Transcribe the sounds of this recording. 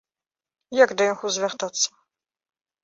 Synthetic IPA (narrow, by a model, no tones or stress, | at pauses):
jaɡd̪ɐjɔnxuzʲvʲart̪at̪sːɐ̥